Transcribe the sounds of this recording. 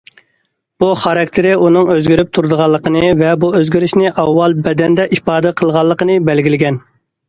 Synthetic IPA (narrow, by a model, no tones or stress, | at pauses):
b̥uχɑɾɑkʲt̪ʰɪɾɪunɨŋøzɡʲyɾyp̚t̪ʰuɾd̪əʁɑlˠːəqənɨvɛbuøzɡʲiɾɪʃnɪʔɑwːɑlˠbɛd̪ɛnd̪ɛʔipɑːd̪ɛqʰəlˠʁɑlˠːəqənɨbɛlɡʲilɪɡʲɛn